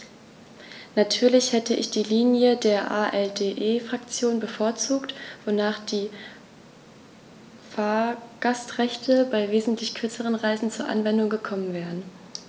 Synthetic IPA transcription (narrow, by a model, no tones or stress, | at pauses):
natʰyːɐlɪçhɛtəʔɪ̰çd̥iːliːnjədeːɐʔaːʔɛldeːʔeːfʁ̥akt͡sjoːnbəfoːɐt͡suːktv̥onaːχd̥iː | faːɐɡ̥astʁɛçtʰəbaɪveːzn̩tʰlɪçkʰʏɐt͡səʁ̞ənʁaɪzn̩t͡suːɐʔa̰nvɛndʊŋɡəkʰɔmənvɛːʁən